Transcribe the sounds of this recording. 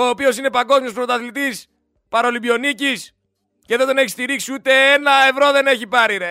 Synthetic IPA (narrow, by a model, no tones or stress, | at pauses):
o̞ːpio̞sine̞pɐŋɡo̞zmiospɾot̪ɐθlit̪is | pɐɾo̞libio̞nicis | ceðod̪o̞neçist̪iɾiksiut̪e̞enɐevɾo̞ðe̞ne̞çipɐɾiɾe